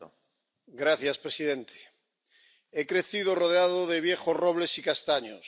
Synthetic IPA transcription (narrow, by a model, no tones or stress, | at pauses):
ɡɾaθjaspɾesiðẽnt̪ʰe̥ | ekɾeθið̞oroð̞eaðoðeβ̞jeχozroβlesikast̪aɲos